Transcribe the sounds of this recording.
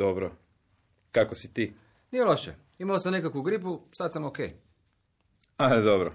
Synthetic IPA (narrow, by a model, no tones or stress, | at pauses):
obɾo | kakosit̪iː | nijeloʃḛ | imalosamnekakʋuɡɾip̬usad̪samokej | alid̪obɾo